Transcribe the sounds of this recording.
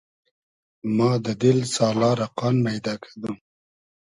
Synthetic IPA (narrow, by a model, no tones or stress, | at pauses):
mɑd̪əd̪ɪlsɑːlɑɾaqɑnmajd̪ɑːkʰḁd̪u